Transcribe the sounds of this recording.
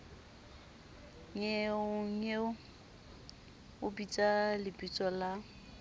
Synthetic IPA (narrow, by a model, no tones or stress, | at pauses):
ŋeʊŋ̩e | ʊbit͡sʼalɪpʼit͡sʼɔla